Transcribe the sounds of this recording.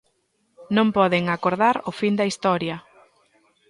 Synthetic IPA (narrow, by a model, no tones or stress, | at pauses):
nõmpɔðeŋakoɾðaɾʊfind̪ɐist̪ɔɾjɐ